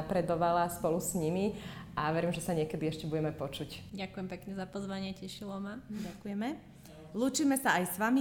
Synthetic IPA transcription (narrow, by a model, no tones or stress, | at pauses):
apɾɛd̪ɔʋalaspɔlusɲimiʔaʋɛɾimʒɛsaɲɪɛkɛd̪iɛʃcɛbuɟɛmɛpɔt͡ʃucɟakujɛmpɛkɲɛzapɔzʋaɲɪɛcɛʃilɔmaɟakujɛmɛ | luːt͡ʃiːmɛsaajsʋami